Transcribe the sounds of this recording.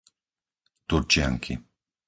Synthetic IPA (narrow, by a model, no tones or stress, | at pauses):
t̪uɾt͡ʃjaŋkʰi